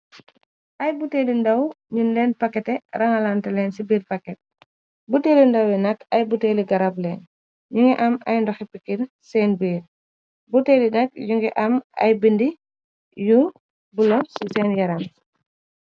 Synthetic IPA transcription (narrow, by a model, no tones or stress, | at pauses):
ʔɐjbuteːlindɐw | ɲunlɛːnpɐkːɛtɛrɐŋɐlaːntɛlɛːnsibiːɾpakːɛt̚ | buteːlindɐwɛnɐkɐjbuteːliɡɐɾablɛːn | ɲuŋɡɛʔɐmɐ̰jndɔxɛpikːiɾ | sɛːnbiːɾ | buteːlinɐk̚juŋɡɛʔɐmɐ̰jbindi | ju | bulɔnsisɛːnjɐɾan